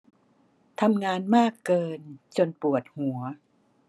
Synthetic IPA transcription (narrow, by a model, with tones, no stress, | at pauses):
t̪ʰa˧mŋaː˧nmaː˥˩kːɤː˧nt͡ɕo˧npu˨˩ət̪̚hu˩˦ɐ